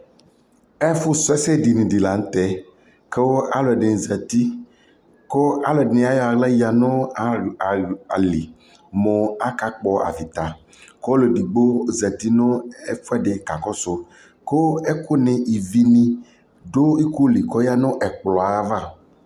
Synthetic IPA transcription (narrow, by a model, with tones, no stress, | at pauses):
ɛ˦fʊ˦sʊ˦ɛ˦sɛ˦di˨nĩ˨di˨la˨ŋ̩˦t̪ɛ˦ | ke˦wɔ˦ʔa˦lɔ˨ɛ˨ɖɪ̃˨zɛ˨t̪i˦ | ko˦a˦lo˨ɛ˨dnɪ̃˨a˦jɔ˦a˨la˦ja˨nɔ̃˦˨a˨a˨li˨ | mɔ̃˨a˦ka˦k͡pɔ˨ʔa̰˨vi˨t̪a˨ | kɔ˦lo˨ɖi˨ɡ͡bo˦zɛ˨t̪i˦nʊ̃˦ɛ˦fɛ˦ɖɪ˨ka˨kɔ˦so˦ | ke˦wo˦ɛ˦kʊ˦nɪ̃˨ʔi˨vi˦nĩ˦ | ɖo˦i˦ko˦li˨kɔ˦ja˦nɔ̃˦ʔɛ˨k͡plɔ˨a˨a˦va˦˨